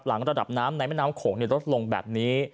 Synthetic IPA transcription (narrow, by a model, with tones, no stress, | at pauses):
p̚la̰˩˦ŋɾa˧da̰˨˩p̚naː˦˥mna˧jmɛ˥˩naː˦˥mkʰoː˩˦ŋniː˧˩ɾo˦˥t̪̚lo˧ŋbɛ̰ː˨˩p̚niː˦˥